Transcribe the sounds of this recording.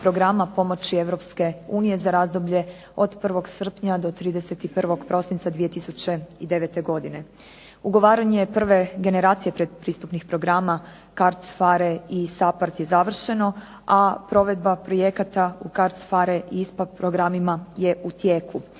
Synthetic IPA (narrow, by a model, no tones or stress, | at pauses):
pɾo̞ɡɾamapo̞mo̞t͡ɕie̞ʋɾo̞pske̞uːnije̞zaɾaːzd̪obʎe̞ | o̞d̪pr̩ʋo̞ɡsr̩pɲad̪o̞t̪ɾiːd̪ese̞t̪ipr̩ʋo̞ɡpɾo̞sint̪ad̪ʋije̞t̪isut͡ɕe̞id̪e̞ʋet̪e̞ɡo̞d̪ine̞ | uɡo̞ʋaːɾaɲe̞pr̩ʋe̞ɡe̞ne̞ɾaːt̪sije̞pɾed̪̚pɾiːst̪upnixpɾo̞ɡɾama | kaɾt̪sfaɾeisapaɾt̪je̞zaʋr̩ʃe̞no̞ | apɾo̞ʋe̞d̪̚bapɾo̞je̞kat̪aukaɾt̪sfaɾeʔiispad̪pɾoɡɾamimaje̞ʔut̪jeːku